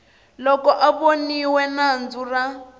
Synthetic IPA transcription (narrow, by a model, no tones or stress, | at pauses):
lɔkɔʔaβoniwɛnand͡zura